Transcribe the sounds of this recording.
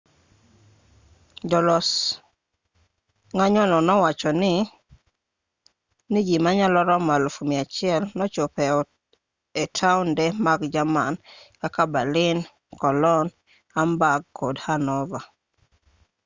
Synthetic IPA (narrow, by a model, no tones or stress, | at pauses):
d͡ʒɔlɔs | ŋaɲɔnɔnɔwat͡ʃɔnɪ | niɡimaɲalɔɾɔmalfumiat͡ʃɪɛlnɔt͡ʃopɛɔ | etʰaʊndɛmaɡd͡ʒamankakabalɪn | kɔlɔn | ambaɡkːodhanɔva